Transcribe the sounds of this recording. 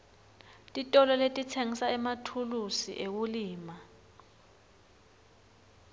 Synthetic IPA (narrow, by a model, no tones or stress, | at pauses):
tʼitʼɔlɔletʼitʰeŋisaɛmatʰulusḭʔek̬uliːma